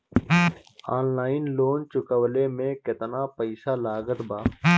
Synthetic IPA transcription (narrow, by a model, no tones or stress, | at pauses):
aːnlaːɪnloːnt͡ʃʊkəwlemẽkɪt̪napəɪsalaːɡət̪baː